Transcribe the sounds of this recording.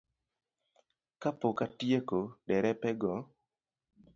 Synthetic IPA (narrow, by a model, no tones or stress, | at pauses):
kapokatjekodɛɾɛpɛɡɔ